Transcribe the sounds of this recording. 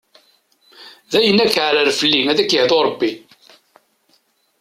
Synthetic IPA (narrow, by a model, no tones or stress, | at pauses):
ðæjənːækʕləɾfəlːiŋæðækəhðoɾˤbːi